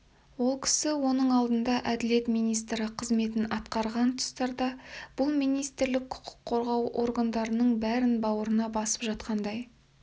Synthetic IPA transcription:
wo̞lˠkʲʰɪ̥sɪwo̞nəɴɑlˠd̪ənd̪ɑʔæd̪ɪle̞t̪mijnijs̬t̪ɾɪqʰəzme̞t̪̬ɪnɑt̪qɑɾʁɑnt̪ʰʊ̥st̪ɑɾd̪ɑb̥ʊlˠmijnijst̪ɪɾlɪkʰʊ̥qʰʊ̥qʰːo̞ɾʁɑwʔo̞̰ɾɡand̪ɑɾənəɴbæɾɪnbɑwəɾənɑbɑsə̥pʒɑt̪̚qɑnd̪ɑj

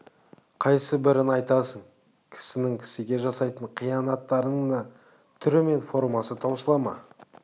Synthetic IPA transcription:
qʰɑjsəbɪɾɪnɑjt̪ɑsəɴ | kʲʰɪ̥sɪnɪŋkʲʰɪ̥sɪɡʲe̞ʒɑsɑjt̪əɴqʰijɑnɑt̪ːɑɾəɴd̪ɑ | t̪ʰʏɾɪme̞nfo̞ɾmɑsət̪ʰɑwsəlˠɑmɑ̰

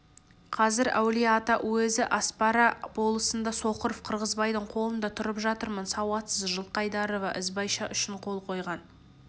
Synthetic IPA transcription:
qʰɑzɪɾæ̰wlijat̪ɑwɵzɪʔɑspɑɾɑbo̞lˠəsənd̪ɑso̞qəɾofqʰəɾʁəzbɑjd̪əɴqʰo̞lˠənd̪ɑt̪ʰʊɾəpʒɑt̪əɾmənsɑwɑt̪səzʒəlˠqɑjd̪ɑɾovɑʔɪzbɑjʃɑʔʏʃɪɴqʰo̞lˠqʰo̞jʁɑn

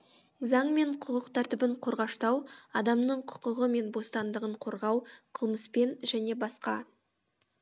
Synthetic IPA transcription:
zɑɴme̞ɴqʰʊqəqt̪ʰæɾt̪ɪbɪɴqʰo̞ɾʁɑʃt̪ɑwɑd̪ɑmnəɴqʰʊ̥qʊʁəme̞nbo̞st̪ɑnd̪əʁəɴqʰo̞ɾʁɑwqʰəlˠməspe̞nʒæne̞bɑsqɑ̰

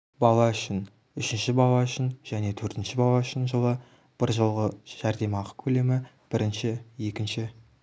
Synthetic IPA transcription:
bɑlˠɑʏʃɪn | ʏʃɪnʃɪbɑlˠɑʏʃɪnʒ̥æne̞t̪ʰɵɾt̪ɪnʃɪbɑlˠɑʏʃɪnʒəlˠə | b̥ɪɾʒəlˠʁəʒ̥æɾd̪e̞mɑqə̥kʲʰɵle̞mɪ | b̥ɪɾɪnʃɪje̞kʲɪnʃɪ

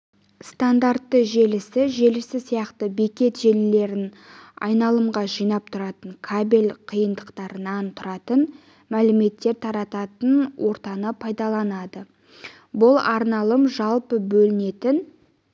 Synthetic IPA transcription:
st̪and̪aɾt̪ːəʒe̞lɪsɪʒe̞lɪsɪsijɑqt̪əbe̞kʲe̞t̪ʒe̞lle̞ɾɪn | ɑ̰jnɑlˠəmʁɑʒijnɑp̚t̪ʰʊɾɑt̪əɴkʰabe̞lqʰijənd̪əqt̪ɑɾənɑnt̪ʰʊɾɑt̪ən | mælɪme̞t̪ːe̞ɾt̪ʰɑɾɑt̪ɑt̪ənwo̞ɾt̪ɑnəpʰɑjd̪ɑlˠɑnɑd̪ə | bʊlˠɑɾnɑlˠəmʒɑlˠpəbɵlɪne̞t̪ɪn

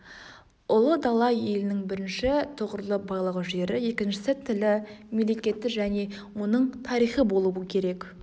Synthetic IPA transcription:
ʊlˠəd̪ɑlˠːɑje̞lɪnɪŋbɪɾɪnʃɪt̪ʰəʁəɾlˠəbɑjlˠəʁəʒe̞ɾɪje̞kʲɪnʃɪsɪt̪ʰɪlɪmele̞kʲe̞t̪ːɪʒæne̞ | wo̞nəɴt̪ʰɑɾijχəbo̞lˠuəkʲʰe̞ɾe̞k

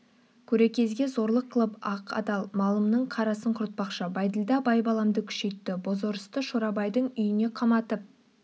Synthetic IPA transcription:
kʲʰɵɾekʲʰe̞zɡʲe̞zo̞ɾlˠəqʰːlˠəpɑqɑ̰d̪ɑlˠmɑlˠəmnəɴqʰɑɾɑsəɴqʰʊɾt̪̚pɑqʃəbɑjd̪əlˠd̪ɑbɑjbɑlˠɑmd̪əkʲʰʏ̥ʃe̞jt̪ːɪbo̞zoɾəst̪əʃoɾɑbɑjd̪əɴʏjɪne̞qʰɑmɑt̪əp̚

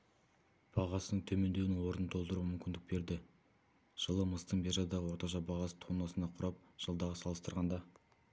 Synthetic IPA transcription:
b̥ɑʁɑsənəɴt̪ʰɵme̞nd̪e̞wɪɪwo̞ɾənət̪ʰo̞lˠd̪əɾuwəmʏmʲkʲɪnd̪ɪk̚be̞ɾd̪ɪ | ʒ̥əlˠəməst̪əɴbeʒɑd̪ɑʁəwo̞ɾt̪ɑʃ̬ɑbɑʁɑsə̥t̪ʰonɑsənɑqʰʊɾɑp̚ʒ̥əlˠd̪ɑʁəsɑlˠəst̪əɾʁɑnd̪ɑ

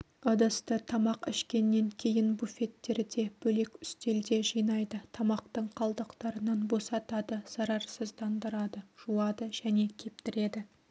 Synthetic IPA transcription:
əd̪əst̪ət̪ʰɑmɑqɪʃkʲe̞nːe̞ŋkʲʰe̞jɪnbufe̞t̪ːe̞ɾɪd̪e̞b̥ɵle̞kʲʏst̪e̞ld̪e̞ʒijnɑjd̪ət̪ʰɑmɑq̚t̪əɴqʰɑlˠd̪əqt̪ɑɾənɑnbo̞sɑt̪ɑd̪əz̥ɑɾɑɾsəzd̪ɑnd̪əɾɑd̪əʒ̥uɑd̪əʒ̥æne̞kʲʰe̞p̚t̪ɪɾe̞d̪ɪ

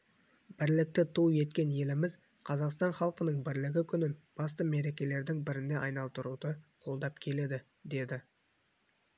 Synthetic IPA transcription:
bɪɾlɪk̚t̪ɪt̪ʰuje̞t̪kʲe̞nje̞lɪmɪz | qʰɑzɑqst̪ɑnχɑlˠqənəɴbɪɾlɪɡʲɪkʲʰʏnɪnb̥ɑst̪əme̞ɾe̞kʲe̞le̞ɾd̪ɪŋbɪɾɪnd̪e̞ʔɑjnɑlˠt̪əɾud̪əqʰo̞lˠd̪ɑpkʲʰe̞le̞d̪ɪ | d̪e̞d̪ɪ

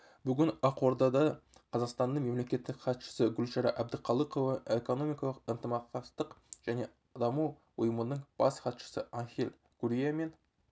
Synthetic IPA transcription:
bʏɡʲɪnɑqwoɾd̪ɑd̪ɑqʰɑzɑqst̪ɑnd̪əɴme̞mle̞kʲe̞t̪ːɪkχɑt̪ʃə̥səɡʲʊlʃɑɾɑʔæb̚d̪əqʰɑlˠəqo̞vɑeko̞no̞mʲijkɑlˠəqənt̪əmɑq̚t̪ɑst̪əqʒ̥æne̞ | d̪ɑmu | wʊjəmənəɴb̥ɑsχɑt̪ʃə̥səɑŋχʲelʲ | ɡ̥uɾʲijame̞n

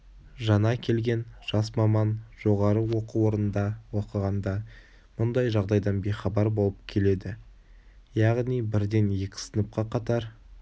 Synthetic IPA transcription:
ʒɑnɑkʲʰe̞lɡʲe̞nʒ̥ɑsmɑmɑnʒ̥o̞ʁɑɾəwo̞quwo̞ɾənənd̪ɑwo̞qəʁɑnd̪ɑ | mʊnd̪ɑjʒɑʁd̪ɑjd̪ɑnbejχɑbɑɾbo̞lˠəp̚kʲʰe̞le̞d̪ɪ | jɑʁnijbɪɾd̪e̞nje̞kʲɪ̥sənəp̚qɑqʰɑt̪ɑɾ

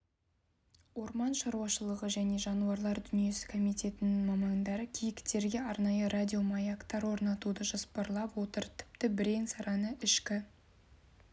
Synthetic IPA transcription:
wo̞ɾmɑnʃɑɾuwɑʃəlˠəʁəʒæne̞ʒɑnuɑɾlˠɑɾd̪ʏnije̞sɪ̥kʰo̞mijt̪ʲe̞t̪ɪnɪŋmɑmɑŋd̪ɑɾəkʲʰijɪkt̪e̞ɾɡʲe̞ɑɾnɑjərad̪ʲio̞mɑjakt̪ɑɾwo̞ɾnɑt̪ud̪əʒɑspəɾlˠɑpwo̞t̪əɾt̪ʰɪ̥p̚t̪ɪbɪɾe̞nsɑɾɑnəʔɪʃkʲɪ

